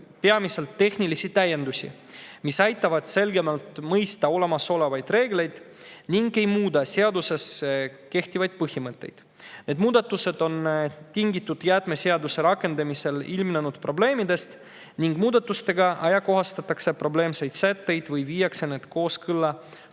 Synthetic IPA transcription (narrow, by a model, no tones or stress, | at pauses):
peɑmise̞lt̪ːe̞hnilisit̪æjːe̞nd̪̥usʲḭ | misɑjt̪ːˑɑvɑd̪̥se̞lɡe̞mɑlt̪mɤjst̪ɑo̞le̞mɑso̞le̞vɑjd̪̥re̞ːɡle̞jd̪̥niŋɡe̞jmuːd̪ɑseɑd̪use̞ske̞ht̪ivɑjd̪̥̚pɤhimɤt̪ːˑe̞̰jd̪̥ | ne̞d̪̥muːd̪̥ɑt̪ːˑuse̞d̪̥o̞nt̪iŋɡit̪ˑːud̪̥jæt̪me̞seɑd̪use̞ɾɑkːe̞nd̪̥ɑmise̞lilmnenud̪̥pro̞ble̞ːmid̪e̞st̪ | niŋɡmuːd̪ɑt̪ːˑust̪e̞ɡɑʔɑjɑko̞ɦɑst̪ɑt̪ːˑɑkse̞pro̞ble̞ːmse̞jd̪sæt̪ːe̞jd̪̥vɯjviːjːɑkse̞ne̞ːd̪̥ko̞ːskɯlːɑ